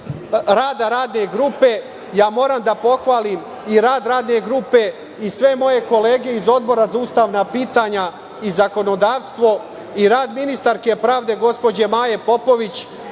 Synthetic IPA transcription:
ɾaːd̪aɾaːd̪ne̞ɡɾuːpe̞ | jaːmo̞ːɾamd̪apo̞xʋaːlim | iɾaːd̪ɾaːd̪ne̞ɡɾuːpe̞ | isʋe̞mo̞je̞ko̞leːɡe̞izo̞d̪̚bo̞ɾazauːst̪aːʋnapiːt̪aɲa | izako̞no̞d̪aːʋst̪ʋo̞ | iɾaːd̪minist̪aɾke̞pɾaːʋd̪e̞ɡo̞spo̞d͡ʑe̞maːje̞po̞po̞ʋit͡ɕ

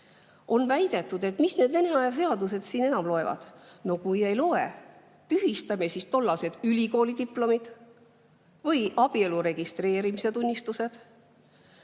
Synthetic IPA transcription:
o̞nvæjd̪̥e̞t̪ːˑud̪̥e̞t̪misne̞d̪ve̞ne̞ɑjɑs̬e̞ɑd̪use̞d̪̥siːne̞nɑmlo̞e̞vɑ̰d̪̥no̞kuje̞jlo̞e | t̪yɦist̪ɑmesist̪o̞lːɑse̞d̪̥ylʲiko̞ːlid̪iplo̞mid̪̥ | vɤjʔɑb̥ie̞luɾe̞ɡ̥ist̪re̞ːɾimise̞t̪unʲːist̪use̞d̪̥

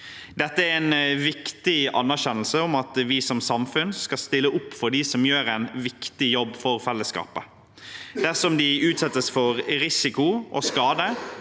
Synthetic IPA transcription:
d̪ɛt̪ːəæɾɛɪnʋɪkt̪ɪɑ̰nːæɾɕɛnl̩səɔmɑt̪ʋɪsɔmsɑmfʉnskɑst̪ɪlːəʔʊpːfɔɾɖ̪isɔmjøːɾæɪnʋɪkt̪ɪjɔbːfɔɾfɛlːəskɑ̰ːpə | d̪̥æsɔmd̪ɪʉːt̪sɛt̪ːəsfɔɾɾɪsɪkʊʔo̰skɑːd̪ə

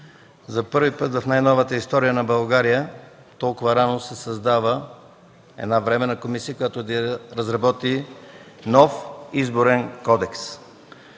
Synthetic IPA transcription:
zɐpɤɾvipɤt̪vɐfnajnɔvət̪əist̪ɔɾijənɐbɐlˠɡaɾijə | t̪ɔlˠkʊvɐɾanosɛsɐzd̪avə | ɛ̰d̪navɾɛmɛnɐkomisiəkojat̪od̪ɐɾɐzɾɐbɔt̪i | nɔfizboɾɛnkɔd̪ɛks

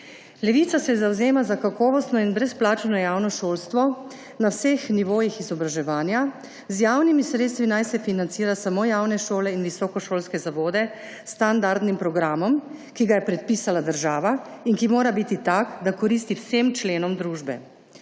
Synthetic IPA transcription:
lɛʋiːt̪sasɛzawzeːmazakakɔːʋɔst̪nɔinbɾɛsplaːt͡ʃnɔjaːwnɔʃoːlst̪ʋɔ | nawsexniʋoːjixizɔbɾaʒɛʋaːnja | zjaːwnimisɾeːt̪st̪ʋinajsɛfinant̪siːɾasamoːjaːwnɛʃoːlɛinʋisɔkɔʃoːlskɛzaʋoːd̪ɛ | sːt̪and̪aɾd̪nimpɾɔɡɾaːmɔmkiɡajɛpɾɛt̪̚piːsalad̪əɾʒaːʋainkimoːɾabit̪it̪akd̪akɔɾiːst̪iwsemt͡ʃleːnɔmd̪ɾuːʒbɛ̰

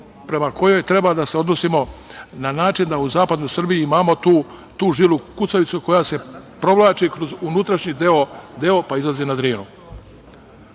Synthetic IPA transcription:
pɾe̞mako̞jo̞jt̪ɾe̞bad̪aseo̞d̪nosimo̞nanaːt͡ʃind̪auzaːpad̪no̞jsr̩bijiimaːmo̞t̪u | t̪uːʒilukut̪saʋit̪suko̞jase̞pɾo̞ʋlˠaːt͡ʃikɾozunut̪ɾaʃɲid̪eo̞d̪eo̞paizlˠazinad̪ɾiːnu

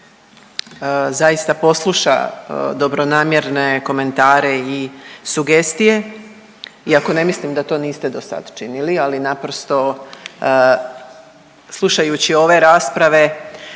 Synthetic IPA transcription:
zajist̪apo̞slˠuʃa̰d̪o̞bɾo̞naːmje̞ɾne̞ko̞me̞nt̪aːɾe̞isuɡe̞st̪ije̞ | iako̞ne̞mislimd̪at̪o̞ːniːst̪ed̪o̞sa̰d̪t͡ʃinilialinapɾo̞st̪o̞ | slˠuʃajut͡ɕio̞ʋe̞ɾaːspɾaʋe̞

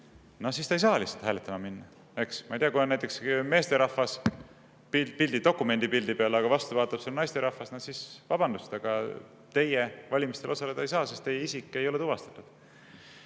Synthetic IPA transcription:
nosist̪ɑjs̬ɑːlisːe̥t̪hæːlet̪ːˑɑmɑminːɑ | e̞ksmɑ̰jt̪iɑkujonnæjt̪ːˑe̞ksme̞ːst̪e̞ɾɑfɑs | pipilʲd̪̥id̪o̞kːˑume̞nʲd̪ipild̪̥ipeɑlɑɡ̥ɑvɑst̪uvɑːt̪ːˑɑpselnɑjst̪e̞ɾɑfɑsnɑsisvɑb̥ɑnd̪ust̪ɑɡ̥ɑ | t̪e̞jevɑlʲimist̪elo̞sɑle̞d̪ɑejsɑːsest̪ejːeisikːˑe̞jo̞let̪uvɑst̪ɑ̥t̪ːˑud̪̥

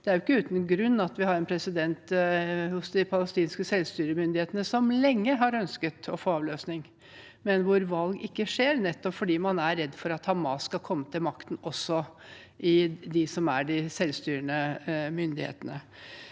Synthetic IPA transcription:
d̪̥ɛæɾjʊɪkːəʉːt̪ənɡɾʉnːɑt̪ʋɪhɑɾɛnpʰɾɛsɪd̪ɛnt̪hʊsd̪ɪpʰɑləst̪iːnskəsɛlst̪yːɾəmʏnd̪ɪeːt̪ənəsɔmlɛŋːəɦɑɾœnskət̪ɔfoːɑʋløːsnɪŋ | mɛnʋʊɾʋɑlɡɪkːəʂeːɾnɛt̪ːɔpfɔɖiːmɑnæɾɛd̪ːfɔɾɑt̪hɑmɑsːkɑkʰɔmːət̪ʰɪlmɑkt̪ən̩ɔsːɔ | ʔɪd̪ɪsɔmæɖɪsɛlst̪yːɾəɳəmʏnd̪ɪhḛːt̪ənə

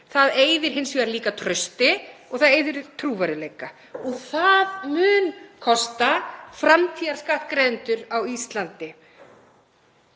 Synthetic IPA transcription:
θaðeːjðɪɾ̥ɦɪnsvɛːaɾliːkat̪ʰɾœɥst̪ɪɔɣθaðeːjðɪɾt̪ʰɾuːvaɾɪlejka | ɔɣθaðmʏːnkʰɔst̪afɾamt̪ʰiːðaɾ̥skaht̪kɾeːðʏnt̪ʏɾawist̪lant̪ɪ

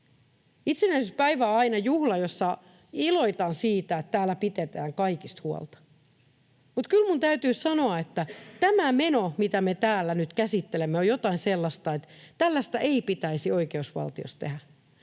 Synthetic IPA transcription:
it̪senæisespæiʋæɑinɑjuhlɑjosːɑ | iloit̪ɑːnsiːt̪æet̪t̪æːlːæpit̪et̪æːŋkɑikist̪huo̰lt̪ɑ̥ | mut̪kylmunt̪æyt̪yːssɑnoɑet̪ːæt̪æmæmenomit̪æmet̪æːlːænyt̪kæsit̪ːelemːeojot̪ɑinselːɑst̪ɑet̪tælːæst̪æʔeipit̪æisioikeusʋɑ̰lt̪io̰stt̪ḛhæ

